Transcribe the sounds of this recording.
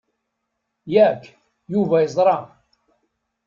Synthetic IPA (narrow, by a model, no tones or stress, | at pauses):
jækː | juvæjəzˤɾˤɑ